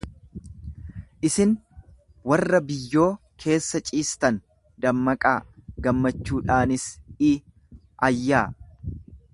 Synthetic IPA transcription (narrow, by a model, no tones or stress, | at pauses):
ʔɪsɪn | wɐrːɐbɪjːo̞ː | kʰe̞ːsːɐt͡ʃʼiːst̪ɐn | d̪ɐmːɐkʼaːɡɐmːɐt͡ʃːuːᶑaːnɪsɪ | ɐjːaː